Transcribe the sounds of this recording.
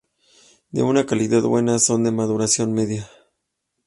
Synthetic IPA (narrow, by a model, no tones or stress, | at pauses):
d̪e̞̰unakaliðaðbwe̞naso̞nd̪e̞mað̞uɾasjo̞nme̞ðja